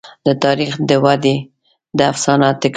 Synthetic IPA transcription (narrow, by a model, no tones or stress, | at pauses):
d̪ət̪ɑɾixd̪əwad̪e | d̪əafsɑnɑt̪ːɪk